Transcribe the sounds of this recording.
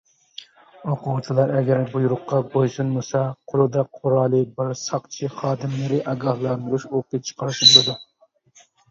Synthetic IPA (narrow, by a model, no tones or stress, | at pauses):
oqʰuwt͡ʃʰɨlˠɑɾɛɡʲɛɾbujuɾʊqːɑbojsunmusɑqʰʊɾˠud̪ɑqʰʊɾɑːlˠɨbɨɾsɑqt͡ʃʰiχɑːd̪ɨmlɨɾɪʔɑɡɑhlˠɑnd̪uɾuʃoqit͡ʃʰə̥qʰɑɾɨʃbolˠɨd̪u